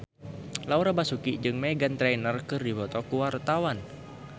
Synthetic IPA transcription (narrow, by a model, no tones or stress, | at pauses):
lauɾabasukid͡ʒɨŋmɛɡant̪ɾɛnərkɨrdibɔt̪ɔkuwart̪awan